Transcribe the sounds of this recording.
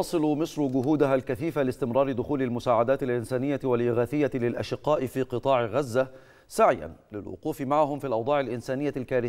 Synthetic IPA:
ɑsˤɨlʊmɨsˤɾɡʊɦuːd̪ʊɦalkaθiːfalɪst̪ɪmɾˤɑːɾˤɪd̪ʊxuːlalmʊsaːʕad̪aːt̪ɪlʔɪnsaːnɪjːawalʔɪɣaːθɪjːalɪlʔa̰ʃɪqːɑːʔɪfiːqɨt̪ˤɑːʕɪɣazːa | saʕja̰nlɪ̰lwʊ̰quːfɪmaʕahʊmfiːlʔɑwd̪ˤɑːʕɪlʔɪnsaːnɪjːalkaːɾɪ

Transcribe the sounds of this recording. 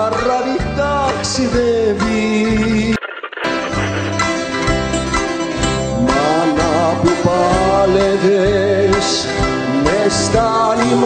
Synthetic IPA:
araɾit̪aksiðevi | manapipaleðes | nest̪anim

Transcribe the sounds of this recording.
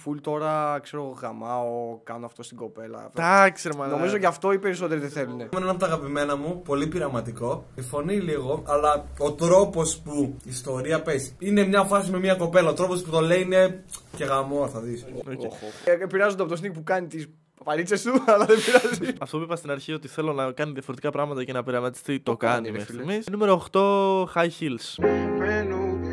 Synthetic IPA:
fult̪o̞ɾɐkse̞ɾo̞ɣoɣɐmɐokɐnoɐft̪o̞st̪iɡo̞pe̞lɐ̰d̪ɐkseɾmɐno̞mizo̞ʝɐft̪o̞ipe̞ɾiso̞t̪eɾiðeθe̞lunemenenɐpot̪ɐɣɐpime̞nɐmupo̞lipiɾɐmɐt̪iko̞ifo̞niliɣo̞ɐlɐo̞t̪ɾo̞po̞spuːst̪o̞ɾiɐpesi̥ine̞mɲɐfɐsime̞miɐko̞pe̞lɐot̪ɾo̞posput̪o̞le̞iine̞ce̞ɣɐmoɾθɐðisoepiɾɐzut̪opt̪os̬nik̚pukɐnit̪is | ɐpɐɾit͡ʃɐst̪uɐlɐðepiɾɐziɐft̪opipɐst̪inɐɾçiot̪iθe̞lo̞nɐkɐniðjɐfo̞ɾet̪ikɐpɾɐɣmɐt̪ɐcinɐpiɾɐmɐt̪i̥st̪it̪okɐnimfmisnume̞ɾooxt̪o̞xɐjçilspenu

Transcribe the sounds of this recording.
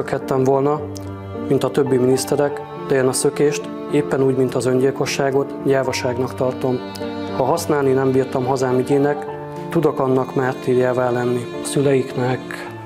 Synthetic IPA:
økhɛt̪ːɛɱvo̞lnɒ | mint̪ɒt̪ø̞bːiminist̪ɛɾɛk | d̪ɛjɛnɒsø̞keːʃt̪ | eːpːɛnuːɟmint̪ɒzøɲɟilko̞ʃːaːɡo̞t̪ɟaːvɒʃaːɡnɒkt̪ɒrt̪o̞m | hɒɦɒsnaːlninɛmbiːrt̪ɒmɦɒzaːmiɟeːnɛk | t̪ud̪o̞kɒnːɒkmaːrt̪iːjaːvaːlɛnːi | sylɛjiknɛk

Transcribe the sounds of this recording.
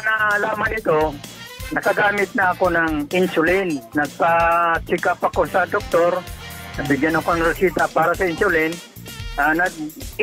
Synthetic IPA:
nalaːmanɪt̪o | nɐkɐɡaːmɪt̪̚nɐːko̞nɐŋɪnsʊlɪnːɐɡ̚pat͡ʃɪkapako̞sɐd̪ok̚t̪oɾ | nɐɡ̚bɪɡjanɐkonɐŋɾɪsiːt̪apaːɾasɐɪnsʊlɪn | anɐɡ̚

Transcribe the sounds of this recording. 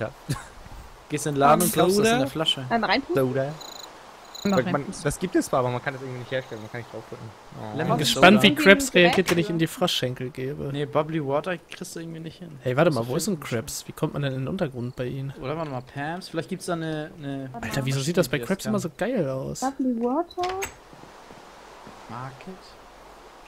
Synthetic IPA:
a̰ | ɡ̥eːstduɪnlaːdm̩nːdndɛɐflaʃəamaaɪnpʰudɐ | mand̥asɡ̥iːp̚tɛst͡sːv̥aːʔabɐmankʰandɛsɪɐŋ̩tvinɪçtheːɐʃtɛlənmankʰanɪçd̥ʁaʊfd̥ʁʏk̚ŋ̩ | bɪnɡəʃpantv̥iːkʰʁ̥ɛpsʁeaɡiːɐtv̥ɛnɪçɪndiːfʁ̥aʃɛŋkl̩ɡeːbə̰nebabliwɔːtɐkʁ̥ɪstd̥uʔɪɐŋ̩tv̥iːnɪçthɪnhɛɪvaɐtəmaːlvoːɪstzuːnkʁ̥ɛpsv̥iːkʰɔmtmandɛnɪndenʔʊntɐɡʁʊnt̚b̥aɪʔiːmnʔoːdɾɐvaːtmapʰɛɐmsfɪlaɪçt̚ɡ̥iːptsd̥aːnənəʔaltɐviːzoːziːtdasb̥aɪkʁ̥ɛpsʔɪmɐzoːɡ̥aɪlaʊsblwɔtʰɐ | makʰət

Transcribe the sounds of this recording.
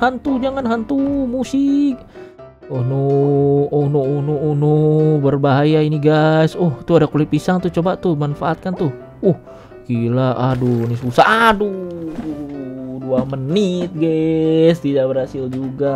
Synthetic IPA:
hant̪ud͡ʒaŋanɦant̪umusɪk̚ | ɔnoː | hnoːhnoːnobərbaɦajainiɡajsɔht̪uadakulipisaŋt̪ut͡ʃobat̪uhmanfaːt̪̚kant̪uh | ɔh | kilaʔadunisusaadu | duamənit̪̚ɡɛst̪idabərhasɪld͡ʒuɡa

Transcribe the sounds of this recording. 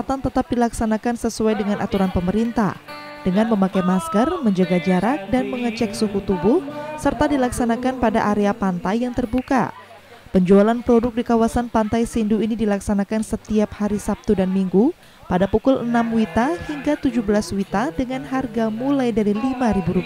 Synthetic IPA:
at̪ant̪ət̪ap̚dilaksanakansəsuajdəŋanʔa̰t̪uɾanpəməɾint̪a̰h | d̥əŋanməmakajmaskərməɲd͡ʒaɡad͡ʒaɾak̚danməŋət͡ʃɛk̚sukut̪ubʊhsərt̪adilaksanakanpada̰ʔaɾeapant̪ajːaŋt̪ərbuka̰ | pəɲd͡ʒualanpɾodʊk̚dikawasanpant̪ajsinduinidilaksanakansət̪iap̚haɾisap̚t̪udanmiŋɡu | padapukʊlənamwit̪ahiŋɡat̪ud͡ʒubəlaswit̪adəŋanɦarɡamulajdaɾilimaɾibuɾupi

